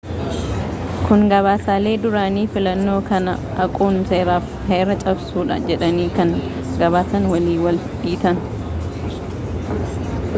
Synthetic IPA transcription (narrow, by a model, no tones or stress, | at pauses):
kʊŋɡɐβaːsaːle̞ːd̪ʊɾaːniːfɪlɐnːo̞ːkɐnɐ | ɐkʼuːnse̞ːɾaːf | heːɾɐt͡ʃʼɐbsuːᶑɐ̰d͡ʒɛᶑɐniːkɐŋ | ɡɐβaːsɐnwɐliːwɐlᶑiːt̪ɐn